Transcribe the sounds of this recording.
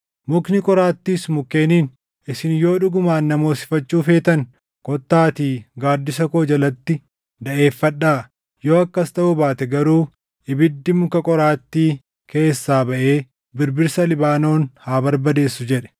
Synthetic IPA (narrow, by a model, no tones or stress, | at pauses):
mʊknɪkʼɔɾaːt̪ːiːsmʊkːeːniːn | ɪsɪnjo̞ːᶑʊɡʊmaːnːɐmo̞ːsɪ̥fɐt͡ʃːuːfe̞ːt̪ɐn | kʼɔt̪ːaːt̪iːɡaːd̪ːɪsɐkoːd͡ʒɐlɐt̪ːɪ | d̪ɐʔe̞ːfːɐᶑːaː | joːɐkːɐst̪ɐʔʊbaːt̪ɛɡɐɾuː | ɪbɪd̪ːɪmʊkɐkʼɔɾaːt̪ːiː | ke̞ːsːaːbɐʔe̞ː | bɪɾbɪɾsɐlɪbaːno̞ːnhaːbɐɾbɐd̪e̞ːsːʊd͡ʒɛᶑɛ̥